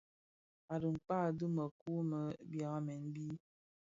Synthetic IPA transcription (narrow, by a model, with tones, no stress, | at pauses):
a˨ɾə˨m̩˨k͡pa˦˨dɨ˦mə˨ku˦mə˨˦bja˨˦mɛ˨˦n˦bi˦